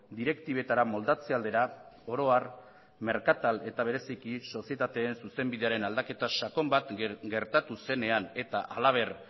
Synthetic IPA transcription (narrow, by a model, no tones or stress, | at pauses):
d̪iɾe̞kt̪iβe̞t̪aɾamo̞ld̪at͡se̞ald̪e̞ɾao̞ɾo̞ar | me̞ɾkat̪ale̞t̪aβ̞e̞ɾe̞sikiso̞sie̞t̪at̪e̞ːnsuse̞mbiðe̞aɾe̞nald̪ake̞t̪aʃako̞mbat̪ɡe̞ɾt̪at̪use̞ne̞ane̞t̪aʔalaβ̞e̞r